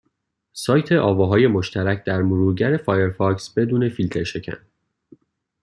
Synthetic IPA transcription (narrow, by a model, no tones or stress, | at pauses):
sɒːjt̪ʰe̞ʔɒːvɒːɦɒːje̞mo̞ʃt̪ʰæɾæcʰd̪̥æɾmuɾuːɟæɾe̞fɒːjeɾfɒksb̥e̞d̪uːne̞filt̪ʰe̞ɾʃe̞cʰæ̰n